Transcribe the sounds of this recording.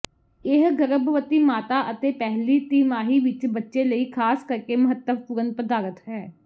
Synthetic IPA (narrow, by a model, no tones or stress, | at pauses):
ɪɦɡəɾəbʋət̪iːmaːt̪aːʔət̪eːpɛɦliːt̪iːmaːɦiːʋɪt͡ʃbətːʃeːləiːkʰaːskəɾkeːməɦət̪ːəb̚pʊɾənpɾəd̪aːɾət̪ɦɛː